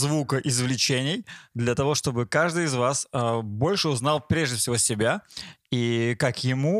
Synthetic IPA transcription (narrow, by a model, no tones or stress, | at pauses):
zvukəʔɪzvlʲɪt͡ɕenʲɪjd̪lʲɐt̪ɐvo̞ʂt̪o̞bɨkaʐd̪ɨjɪzvasəbo̞lʲʂɨʊznalˠpɾʲeʐdʲɪfsʲɪvo̞sʲɪbʲaikakjɪmu